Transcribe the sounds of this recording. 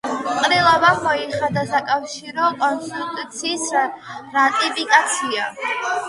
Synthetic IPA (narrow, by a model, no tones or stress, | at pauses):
qʼɾilˠavamɔiχad̪asakʼafʃiɾɔkʼɔnst̪it̪ʼut̪sʰiːsɾat̪ʼipʼikʼat̪sʰia